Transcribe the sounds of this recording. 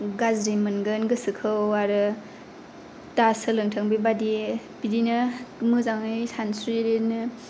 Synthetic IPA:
ɡazɾimɯnɡɯnɡɯsɯkʰɯwaɾɯ | tasɯlɯŋtʰaŋbibadi | pidinɯmɯzaŋɯjsʰansiɾenɯ

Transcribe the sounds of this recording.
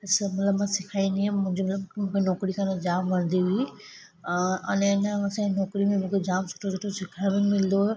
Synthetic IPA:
ɪsmɐt̪ləbmãsɪkʰaːiniɛ̃mʊ̃ɦɪ̃ɲd͡ʑomɐt̪ləbmũkʰenɔːkɾikʰanẽd͡ʑaːmʋɐɽ̃nd̪iɦʊi | ɐ̰nẽnesãĩnɔːkɾimẽmũkʰed͡ʑaːmsʊ̥ʈʰosoʈʰosɪkʰãmẽmɪld̪o

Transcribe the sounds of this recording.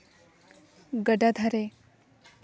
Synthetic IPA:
ɡəɖad̪ʱaɾe

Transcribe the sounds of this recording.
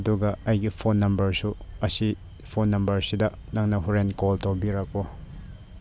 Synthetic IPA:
duɡɐɐjɡipʰonːɐmbɐɾsuɐsi | pʰonːɐmbɐɾsidɐ | nɐŋnɐɦuɾenkɔltowbiɾɐk̚bɔ

